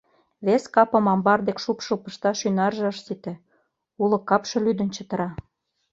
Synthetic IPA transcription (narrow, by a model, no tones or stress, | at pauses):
βeskɑpɤ̆mɑmbɑrd̪ekʃupʃɤpə̆ʃt̪ɑʃynɑrʒĕəʃsit̪ĕ | ulɤ̆kːɑpʃɤ̆lyd̪ə̆nt͡ɕə̆t̪ə̆ɾɑ